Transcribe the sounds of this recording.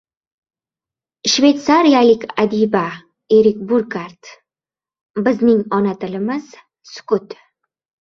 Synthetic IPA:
ʃve̞t̪saɾijalɪkʲad̪iba | eɾɪkʲbʊɾkaɾt̪ | bɪznɪŋɒnat̪ɪlɪmɪz̥ | sʊ̥kʊt̪

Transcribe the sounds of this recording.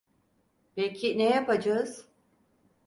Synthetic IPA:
becʰinejapad͡ʒaɯz̥

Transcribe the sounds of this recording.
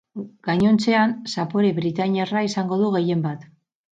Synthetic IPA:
ɡ̥aɲo̞nt͡se̞ansapo̞ɾeβɾit̪aɲiaraisaŋɡo̞ðuɣe̞je̞mbat̪

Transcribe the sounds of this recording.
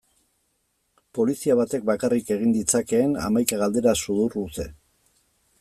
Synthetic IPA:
po̞lisiaβ̞at̪e̞k̚bakarike̞ɣ̞ind̪it͡sake̞ːna̰majkaɣald̪e̞ɾasuðuruse̞

